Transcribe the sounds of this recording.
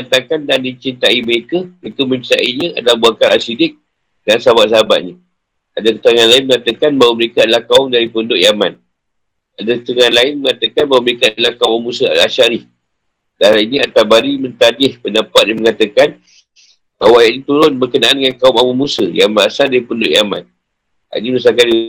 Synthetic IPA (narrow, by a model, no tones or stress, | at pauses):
ant̪akandandit͡ʃint̪aiməɾekəməɾekəmə̃ɲt͡ʃit̪a̰ʔiɲə̃a̰dalahbuakalasidɪk̚ | dansaɦabat̚s̬aɦaba̰ʔ̪̚ɲə | ʔadakə̥t̪əɾəŋanlaɪnməŋat̪əkanbawaməɾekaadəlahkaʊmdaɾipəundʊʔjama̰n | adakət̪əŋãnlaɪnməŋat̪əkanbawaməɾekaadalahkaumawmusəa̰daaʃaɾɪh | daɾainĩat̪abaɾimə̃nt̪adɪhpənapat̪̚jaməŋat̪akan | bawajaʔɲit̪uɾʊnbərkənaʔandəŋankaʊmawumusəjamanasaldaɾipəndʊʔjama̰n | a̰niməs̬alkali